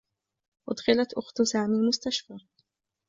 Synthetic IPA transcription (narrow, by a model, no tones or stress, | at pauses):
ʔʊ̰d̪ˤxɪlat̪ʔʊxt̪saːmiːlmʊst̪aʃfaː